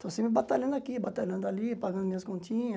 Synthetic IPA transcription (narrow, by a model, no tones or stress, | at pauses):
t̪ʊsĩːmẽbɐt̪alẽːnd̪aːkibɐt̪aːlẽːnd̪aːliːpəɡə̃nmĩskõnt͡ʃʰĩː